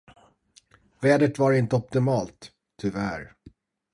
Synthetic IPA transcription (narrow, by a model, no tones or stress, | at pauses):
vɛːd̪əʈ̪vaɾɪnt̪əɔp̚t̪ɪmɑːlt̪ʰː | ʏvæɾ